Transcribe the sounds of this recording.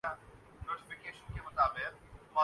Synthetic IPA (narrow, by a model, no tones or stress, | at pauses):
a | noːɾʈɪfɪkeːʃənkemʊt̪aːbɪq̚maː